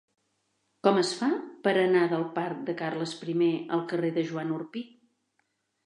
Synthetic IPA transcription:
kɔməsfapəɾənaðəlˠpaɾk̚d̪əkarləspɾimeə̰lˠkəreðəʒuanurpi

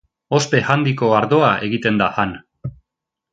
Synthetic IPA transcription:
o̞spe̞hand̪iko̞aɾðo̞aʔe̞ɣit̪e̞nd̪ahan

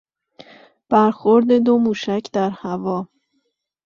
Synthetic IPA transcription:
b̥æɾxo̞ɾd̪e̞d̪o̞muːʃæcʰd̪æɾhævɒː

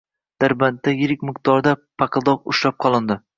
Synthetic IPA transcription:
d̪̥aɾbant̪ːajɪɾɪk̚ʲmɪq̚t̪ɒɾd̪apʰɑqɨlˠd̪ɒqʊʃɾap̚qʰɒlˠɪnd̪ɪ

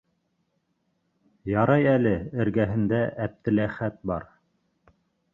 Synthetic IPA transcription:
jɑɾɑjælɘɘ̆ɾɡæɦɘ̆nd̪æʔæp̚t̪ɘ̆læχæt̪̚bɑɾ

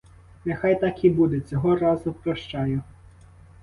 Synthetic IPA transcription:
nexɑjt̪ɑkibud̪et͡sʲɔɦɔɾɑzʊpɾɔʃt͡ʃɑjʊ

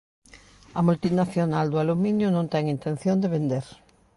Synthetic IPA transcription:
ɐmult̪inaθjonald̪ʊaluminjʊnõnt̪ɛŋint̪ẽn̟θjõnd̪eβend̪eɾ

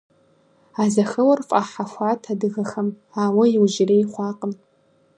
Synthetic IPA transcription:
azɐxɐwɐrfʼaħaxʷaːtʰadɨɣɐxɐm | aːwɐjiwʒɪrejχʷɑːqʼən

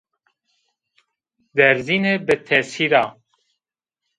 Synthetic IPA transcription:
d̪ɛɾzinebɨt̪ʰɛsiɾaː

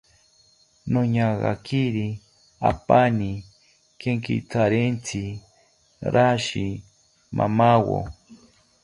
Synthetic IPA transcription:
noɲaɣa̰kiɾi | a̰pani | keŋkḭt͡saɾent͡si | ɾʔaʃi | mʔa̰mawo̰

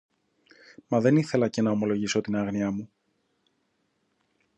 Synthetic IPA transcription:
mɐðe̞niθe̞lɐce̞nɐo̞mo̞lo̞ʝiso̞t̪inɐɣniɐmu

